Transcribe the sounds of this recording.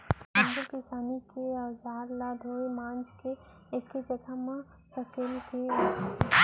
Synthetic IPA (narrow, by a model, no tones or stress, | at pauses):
aːɡəlkɪsaːnikeɐd͡ʒaːɾlad̪ʱoemãːnd͡ʒke | ekːed͡ʒəɡamã | səkelkeat̪